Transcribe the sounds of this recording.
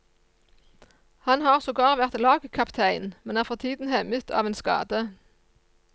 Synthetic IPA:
hɑnhɑːʁsoːɡɑːʁʋæʁt̪lɑːɡəkʰɑpt̪ʰæɪnmɛnæːʁfɔʁt̪ʰiːd̪n̩hɛmət̪ʰɑ̰ːʋeːnskɑ̰ːd̪ə

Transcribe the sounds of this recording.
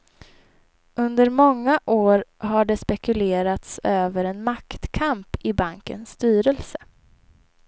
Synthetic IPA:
ʔɵnd̪əɾmɔŋːaʔoːɾɦaɖɛspɛkɵleːɾat̪søːvəɾɛnmakt̪kʰampɪbaŋkə̰nsːt̪yːɾəlsə̥

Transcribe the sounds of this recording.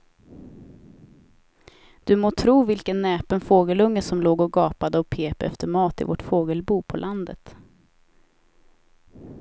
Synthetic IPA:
d̪̥ɵmoːt̪ʰɾuːvɪlkənːɛːpənfoːɡəlɵŋːəsɔmloːɡɔɡɑːpad̪əɔpʰeːpəɛ̰ft̪ʰəɾmɑːt̪ɪ̰vɔ̰ʈfoːɡəlbuːpʰɔlʔand̪ə̰t̪

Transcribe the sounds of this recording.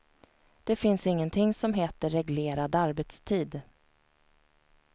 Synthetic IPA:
d̪̥ɛfɪnsɪŋːənt̪ʰɪŋsɔmɦeːt̪əɾɛɡleːɾad̪aɾbɛt̪st̪ʰiːd̪

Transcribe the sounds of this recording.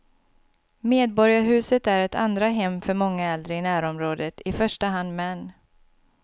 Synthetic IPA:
meːd̪̚bɔɾjaɾɦʉ̟ːsət̪æɾɛt̪ʰa̰nd̪ɾaɦɛmːfœɾmɔŋːaɛld̪ɾəɪnæːɾɔmɾoːd̪ət̪ʰɪfœʂʈaɦand̪mɛnː

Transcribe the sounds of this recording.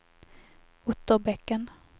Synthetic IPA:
ʊt̪ːəbɛkːən

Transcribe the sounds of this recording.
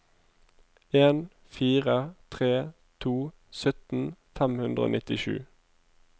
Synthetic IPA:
eːn | fiːʁət̪ʰʁeː | t̪ʰuː | sœt̪n̩fɛmhʉnd̪ʁəo̰ːnɪt̪ɪʃʉ̰ː

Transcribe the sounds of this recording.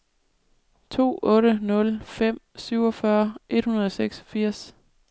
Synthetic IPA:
t͡sʰo̝̰ːɔ̽ːɾənɔ̽lfem̰syʊ̰ɒ̽fɶɐʔe̝d̥hunɐð̞ˠɒ̽seɡ̥sɒ̥fiɐ̰s

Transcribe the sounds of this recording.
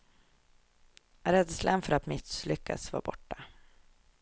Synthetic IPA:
ɾɛd̪slənfœɾat̪mɪslʏkːa̰sva̰ːɾbɔʈːa

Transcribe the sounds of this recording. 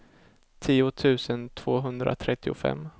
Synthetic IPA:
t̪ʰiːʊt̪ʰʉ̟ːsənt̪ʰv̥oːɦɵnd̪ɾʔa̰t̪ʰɾɛt̪ːɪʊfɛ̰mː

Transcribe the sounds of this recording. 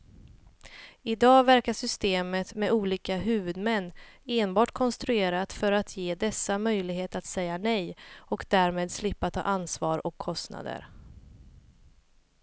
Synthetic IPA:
ɪd̪ɑːvæɾkaʂʏst̪eːmət̪mɛuːliːkaɦʉ̟ːvɵd̪mɛnːeːnbɑːʈkʰɔnst̪ɾɵeːɾat̪fœɾat̪ʰjeːd̪ɛsːamœjlɪɡheːt̪at̪sɛjːanɛjɔkd̪æːɾmeːd̪slɪpːat̪ʰɑ̰ːʔansvɑːɾɔkʰːɔst̪na̰d̪ə̰ɾ

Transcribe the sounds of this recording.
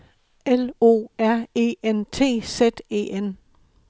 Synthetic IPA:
elo̝̰ːæɐ̰e̝̰ːent͡sʰe̝̰ːsed̥e̝̰ːen

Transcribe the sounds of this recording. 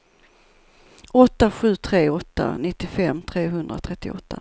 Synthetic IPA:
ɔt̪ːaɧʉ̟ːt̪ʰɾeːɔt̪ːa̰nɪt̪ːɪfɛmːt̪ʰɾeːɦɵnd̪ɾa̰t̪ʰɾɛt̪ːɪɔ̰t̪ʰːa̰

